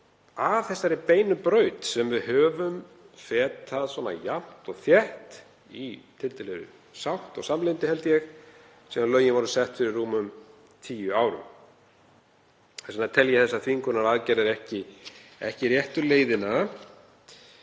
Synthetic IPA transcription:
avθɛsːaɾɪpeːjnʏpɾœːɥt̪sɛmvɪðɦœːvʏm | fɛːt̪ʰaðswɔːna̰jam̥t̪ɔɣθjɛht̪ | it̪ʰɪlt̪ɛlɛðʏ̰ | sawht̪ɔ̰ɣsamlɪnt̪ɪhɛlt̪jɛɣ | siːðanlœːɥjɪnvaɾʏsɛht̪fɪɾɪrːuːmʏm | t̪ʰiːjʏaːwɾʏ̰m | ɛsanat̪ʰɛljɛθɛsːaðθiŋkʏɾnaɾaðcɛɾðɛɾɛhcɪɛ̰hcɪɾjɛht̪ʏleːjðɪna

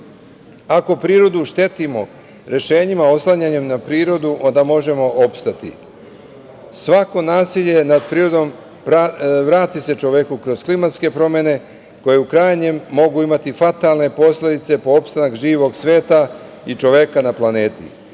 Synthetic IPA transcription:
ako̞pɾiːɾo̞d̪uʃt̪e̞t̪imo̞ | ɾe̞ʃe̞ːɲimao̞slˠaɲaɲe̞mnapɾiːɾo̞d̪uʔo̞nd̪amo̞ʒe̞mo̞ʔopst̪at̪ḭ | sʋako̞naːsiʎe̞nad̪̚pɾiːɾo̞d̪o̞m | paʋɾaːt̪ise̞t͡ʃo̞ʋe̞kukɾo̞z̥klimat̪ske̞pɾo̞mene̞ | ko̞je̞ukɾajɲe̞mːo̞ɡuimat̪ifat̪aːlˠne̞po̞sle̞d̪it̪se̞po̞opst̪anakʒiːʋo̞ɡsʋe̞ːt̪a | it͡ʃo̞ʋe̞kanaplane̞ːt̪ḭ

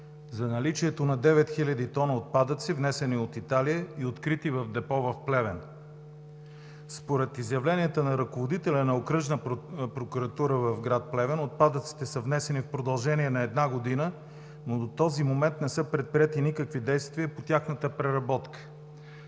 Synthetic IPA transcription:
zɐnɐlit͡ʃiɛt̪onɐd̪ɛvɛt̪xilʲɐd̪it̪ɔnəot̪̚pad̪ət̪sivnɛsɛniot̪it̪alijəiot̪kɾit̪ivɐvd̪ɛpɔvɐfplɛvɛn | spoɾɛt̪izjɐvlɛniət̪ənɐɾɐkovod̪it̪ɛlʲənɐokɾɤʒnəpɾokuɾɐt̪uɾəvɐvɡɾat̪̚plɛvɛnot̪̚pad̪ət̪si̥t̪ɛsəvnɛsɛnifpɾod̪ɐlˠʒɛniɛnɐɛd̪naɡod̪inə | nod̪ot̪ɔzimomɛnt̪nɛsɤpɾɛt̪̚pɾiɛt̪inikəkvid̪ɛjst̪viəpot̪ʲaxnət̪əpɾɛɾɐbɔt̪kə̥

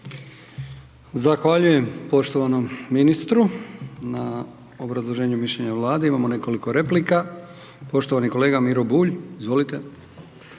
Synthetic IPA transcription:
zaxʋaʎuje̞mpo̞ʃt̪oʋano̞mːinist̪ɾuna | o̞bɾazlˠo̞ʒe̞ːɲumiʃʎeɲaʋlˠaːd̪eimamo̞ne̞ko̞liko̞ɾe̞plika | po̞ʃt̪o̞ʋaniko̞le̞ːɡamiɾobuːʎizʋo̞lit̪e

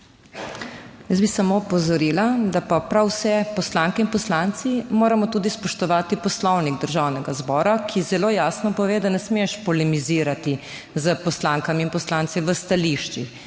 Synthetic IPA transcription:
jəzbisamopɔzɔɾiːlad̪apapɾawsɛpɔslaŋkɛinpɔslant̪simoːɾamɔt̪uːd̪ispɔʃt̪ɔʋaːt̪ipɔslɔwniɡd̪əɾʒawnɛɡazbɔːɾakʰizɛloːjaːsnɔpɔʋeːd̪anɛsmeʃpɔlɛmiziːɾat̪i | zəpɔslaŋkaminpɔslaːnt̪siʋəst̪aliʃt͡ʃi

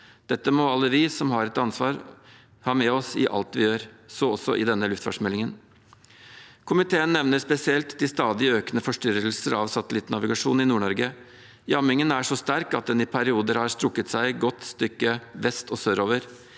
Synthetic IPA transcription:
d̪̥ɛt̪ːəmɔɑlːəʋɪsɔmhɑɾɛt̪ɑnsʋɑːɾ | hɑːmɛɔsɪ̰ʔɑ̰lt̪ʋɪjøːɾsɔɔsːɔ̰ʔɪd̪ɛnːəlʉft̪fɑ̰ʂmɛlɪŋən | kʰʊmɪt̪ʰeːənːɛʋnəɾspɛsɪɛlt̪d̪ɪst̪ɑːd̪ɪəøːkənəfɔʂʈʏɾəlsəɾɑʋsɑt̪əlɪt̪ːnɑʋɪɡɑʂuːnɪnuːɳɔɾɡə | jɑmɪŋənæʂɔst̪æɾkɑt̪̚d̪ɛnɪpʰæɾɪuːd̪əɾhɑɾst̪ɾʊkːət̪sæɪɡɔt̪st̪ʏkːəʋɛst̪ɔsøːɾoːʋəɾ

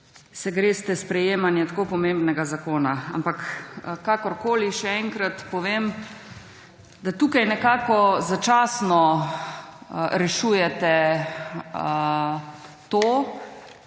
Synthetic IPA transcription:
sɛɡɾeːst̪ɛspɾɛjeːmanjɛt̪ḁkoːpɔmembnɛɡazakoːnaa̰mpakkakɔɾkoːliʃɛɛŋkɾat̪pɔʋem | d̪at̪uːkajnɛkaːkɔzat͡ʃaːsnɔ | ɾɛʃuːjɛt̪ɛ | t̪oː

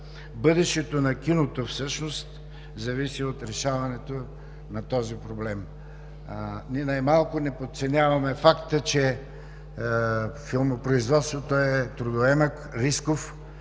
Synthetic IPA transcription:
bɤd̪ɛʃt̪ɛt̪onɐk̟ʲinot̪ofsɤʃnost̪ | zɐvisiot̪ɾɛʃavɐnɛt̪o | nɐt̪ɔzipɾoblɛm | niɛnajmalˠkʊnɛpot̪̚t̪sɛnʲavɐmɛfakt̪ət͡ʃɛ | filˠmopɾoizvɔt̪st̪vot̪oɛt̪ɾʊd̪oɛmək | ɾiskof

